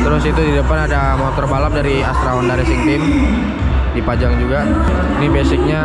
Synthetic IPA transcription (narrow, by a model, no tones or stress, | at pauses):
t̪əɾʊsit̪udidəpanadamot̪ɔrbalap̚daɾia̰st̪ɾaɔndaɾɛsɪŋt̪ɪm | dipad͡ʒaŋd͡ʒuɡa | inibɛsɪk̚ɲa